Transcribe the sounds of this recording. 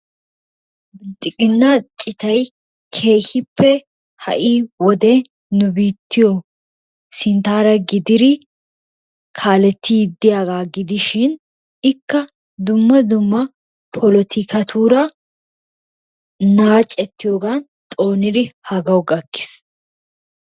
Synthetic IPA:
t̪ʼɪkʼɪnːat͡ʃʼɪt̪ɐj | kʰe̞ːhɪpːɛ | hɐ̰ʔiːwɔd̪eː | nʊbiːt̪ʰːɪjɔ | sɪnt̪aːɾɐɡɪd̪ɪɾɪ | kʰaːlɛt̪ʰːɪjɪd̪ːɪjaːɡaːɡɪd̪ɪʃɪn | ɪkːɐ | d̪ʊmːɐd̪ʊmːɐ | pʰɔlɔt̪ʰɪkɐt̪ʰuːɾɐ | naːt͡ʃʼɛt̪ːɪjo̞ːɡan | t̪ʼo̞ːnɪd̪ɪhɐɡɐwɡɐkːɪ̥s

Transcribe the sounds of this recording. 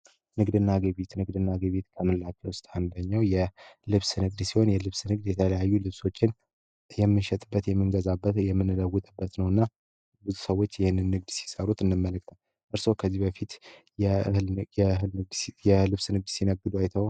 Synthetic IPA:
nɨɡd̪ɨnːaɡəβet̪nɨɡ̚d̪ɨnːaɡəβet̪kʰəmɨllat͡ʃwʊst̪ʼand̪əɲːawjɛlɨβsnɨɡ̚d̪siho̞njɛlɨβsnɨɡd̪jɛt̪ʰələjajːulɨβso̞t͡ʃːɪn | jɛmːɨnʃɛt̪ʼɨbːət̪jɛmːɨŋɡəzabːət̪jɛmːɨnɨləwːʊt̪ʼɨbːət̪nəwɨnːa | bɨzusəwːo̞t͡ʃːjɪhɪnːɨnːɨɡ̚d̪si̥səɾut̪ɨnːɨmːələk̚t̪ʰal | ʔɨɾsowkʰəzːihbəfit̪ | jɛjɛɦɨlɨɡ̪jɛlɨβsnɨɡ̚d̪sinəɡːɨd̪uajt̪ʰəw

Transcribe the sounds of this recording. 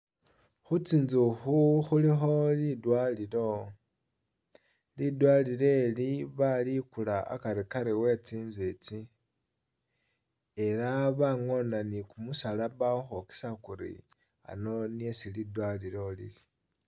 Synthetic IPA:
xut͡siːnzuxuxulixo̞lidwaːlilo̞ | lidwalile̞liβalikulaa̰kaɾikaɾewe̞t͡siːnzwet͡si | e̞ɾaβaŋo̞nanikumusalaβaoxoki̥sakuɾḭ | a̰no̞niesilidwalilo̞lḭli

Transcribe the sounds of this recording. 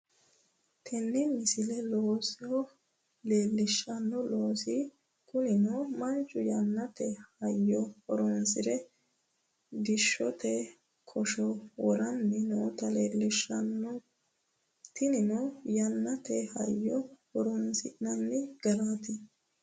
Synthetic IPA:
t̪ʰɛnːɪmɪsɪlɛloːsɛhɔ | leːlːɪʃːɐnːɔloːsɪ | kʼʊnɪnomɐnt͡ʃʼːʊjɐnːɐt̪ɛhɐjːɔhɔɾɔnsɪɾɛ | d̪ɪʃːɔt̪ɛ | kʰɔʃɔwɔɾɐnbɪnoːt̪ɐleːlːɪʃɐnːɔ | t̪ɪnɪnɔjɐnːɐt̪ɛhɐ̰jːɔhɔɾɔnsɪnɐnːɪɡ̥ɐlaːt̪ɪ

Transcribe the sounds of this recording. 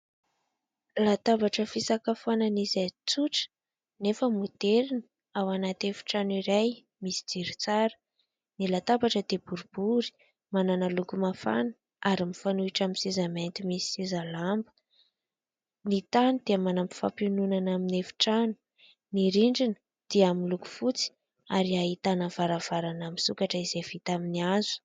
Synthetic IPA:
lat̪avaʈ͡ʂəfisakafananizat͡suʈ͡ʂə̥ | nefəmud̪eɾinə | awanat̪efi̥ʈ͡ʂaniɾaj | misi̥d͡z̥iɾit͡saɾə̥ | nilat̪abaʈ͡ʂəd̪ebuɾub̥uɾi̥ | mananalukumafa̰nə̥ | ʔaɾimifanuiʈ͡ʂaminsezament̪imisi̥sezalambə | nit̪anid̪̥eamanampi̥fa̰pinunanaminefi̥ʈ͡ʂanu̥ | niɾiɳɖ͡ʐinə̥ | d̪̥iaminluku̥fut͡si̥ | aɾiait̪anəvaɾav̥aɾanamisukaʈ͡ʂəiz̥ev̥it̪aminiazu̥

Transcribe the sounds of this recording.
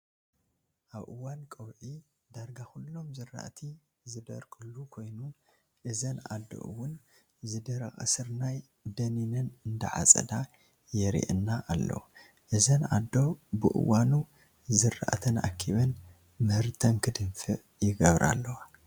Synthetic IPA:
ʔaβʔɨwːankʼɐwʕi | d̪aɾɡaxulːo̞mzɨrːa̰ʔt̪ʰi | zɨd̪ɐ̰ɾkʰɨlukʰo̞jnu | ʔɨzɐnʔa̰d̪ːo̰ʔɨ̰wːʊn | zɨd̪ɐɾɐ̰xʼɐ̰sɨɾnaj | d̪ɐninɐnɨnd̪ɐʕa̰t͡sʼɐ̰d̪a | jɛɾḭʔɨnːaʔalːo̰w | ʔɨzɐnad̪o̞bɨ̰ʔɨ̰wːanu | zɨra̰ʔt̪ʰɐna̰kʰːiβɐn | mɨhɨɾt̪ʰɐnkʰɨd̪ɨmfɨʔ | jɪɡɐβɾa̰lːɐwa

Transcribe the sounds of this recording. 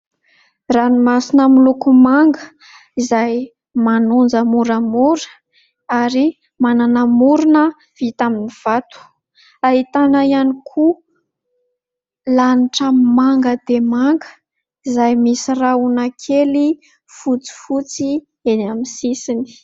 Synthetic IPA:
ranimasinəmilukumaŋɡə | izaj | manund͡zəmuɾamuɾə̥ | aɾi | mananəmuɾunə | v̥it̪aminiv̥at̪u̥ | aɦit̪anəianikʰu | laniʈ͡ʂamaŋɡəd̪emaŋɡə̥ | izajmisiraunakʰeli | fut͡si̥fut͡si | enamisisini̥

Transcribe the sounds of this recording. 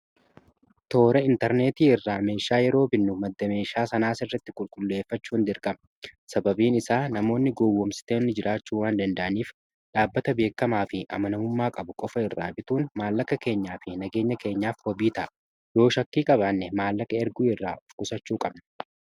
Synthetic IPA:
t̪o̞ːɾɛɪnt̪ɛɾne̞ːt̪iːɪrːaːme̞ːʃaːjɛɾo̞ːbɪnːʊmɐd̪ːɐme̞ːʃaːsɐnaːsɪrːɐt̪ːɪkʼʊlkʼʊlːe̞ːfːɐt͡ʃːuːnd̪ɪɾkʼɐm | sɐbɐbiːnɪsaːnɐmo̞ːnːɪɡowːɔmsɪ̥t̪eːnːɪd͡ʒɪɾʔaːt͡ʃːuːwaːnd̪ɐnd̪ɐʔɐniːf | ᶑaːbːɐt̪ɐbe̞ːkːɐmaːfɪʔɐ̰mɐnɐʊmːaːkʼɐbʊkʼɔfɐɪrːa̰ːbɪt̪uːnmaːlːɐkːɐke̞ːɲːaːfɪnɐɡe̞ːɲːɐke̞ːɲːaːfhɔbiːt̪ɐʔ | jo̞ːʃɐkːiːkʼɐbaːnːɛmaːlːɐkɐɛɾɡuːɪrːaːʔɔfkʼʊsɐt͡ʃːuːkʼɐbnɐ

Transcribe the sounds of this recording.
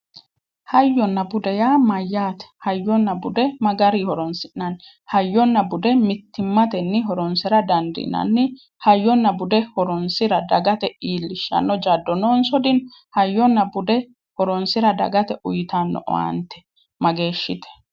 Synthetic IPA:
hɐjːɔnːɐbʊd̪ɛjaːmɐjːaːt̪ɛ̥hɐjːɔnːɐbʊd̪ɛmɐɡɐɾihɔɾɔnsɪʔnɐn | hɐjːɔnːɐbʊd̪ɛmɪt̪ːɪmːɐt̪ɛnːɪɦɔɾɔnsɪɾɐd̪ɐnd̪ɪ̰nɐ̰nːɪ | hɐjːɔnːɐbʊd̪ɛhɔɾɔnsɪɾɐd̪ɐɡɐt̪ɛiːlːɪʃːɐ̰nːɔd͡ʒad̪ːɔnoːnsɔd̪ɪn | hɐjːɔnːɐbʊd̪ɛ | hɔɾɔnsɪɾɐd̪ɐ̰ɡɐt̪ɛʔʊ̰jɪt̪ɐnːɔ̰ʔɔ̰a̰nt̪ɛ̥ | mɐɡe̞ːʃːɪt̪ɛ̥

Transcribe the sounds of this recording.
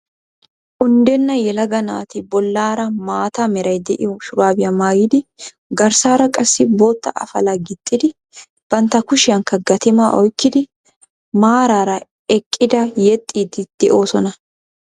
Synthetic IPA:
ʔʊnd̪ɛnːɐjɛlɐɡɐna̰ːt̪ɪbɔlːaːɾɐmaːt̪amɛɾɐjd̪ɛʔɪ̰jɔʃʊɾaːbɪjɐmaːɡɪd̪ɪ | ɡɐɾsaːɾɐkʼɐsːɪbo̞ːt̪ːɐ̰ʔɐ̰fɐlɐɡɪt̪ʼːɪd̪ɪ | b̥ɐnt̪ːɐkʊʃɪɐŋkːɐɡɐt̪ɪmaːʔɔjkːɪd̪ɪ | maːɾaːɾɐ | ɛkʼːɪd̪ɐjɛt̪ʼːiːd̪ɪd̪̥ɛʔo̞ːsɔnɐ

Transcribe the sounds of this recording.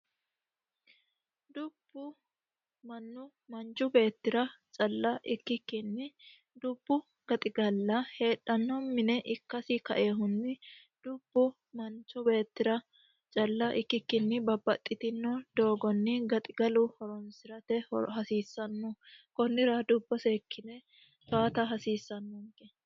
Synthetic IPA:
d̪ʊb̥ːʊ | mɐnːʊ | mɐnt͡ʃʊbe̞ːt̪ːɪɾɐt͡ʃʼɐlːɐʔɪkːɪkːɪnːɪ | d̪ʊb̥ːʊ | ɡ̥ɐt̪ʼɪɡɐlːɐhe̞ːᶑːɐnːɔmɪnɛʔɪkːɐsɪkɐʔeːɦʊnːɪ | d̪̥ʊb̥ːʊ | mɐnt͡ʃʊbe̞ːt̪ːɪɾɐ | t͡ʃʼɐlːɐʔɪkːɪkːɪnːɪbɐbːɐt̪ʼːɪt̪ɪnːɔd̪̥o̞ːɡɔnːɪɡɐt̪ʼɪɡɐlʊhɔɾɔnsɪɾɐt̪ɛhhɐsiːsːɐnːɔkɔnːɪɾɐd̪ʊbːɔseːkːɪnɛ | t̪aːt̪ɐɦɐsiːsːɐnːɔŋkːɛ

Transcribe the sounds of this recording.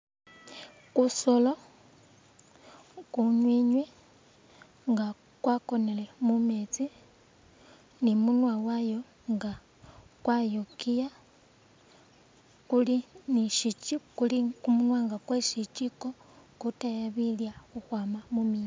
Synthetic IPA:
kusolo̞ | kuɲwiɲwe | ŋɡa | kwako̞nelemumet͡si | nimunwawajo̞ | ŋɡa | kwajokija | kuliniʃit͡ʃikulikumunwaŋɡakweʃit͡ʃikokutajaβiljaxuxwaːmamumi

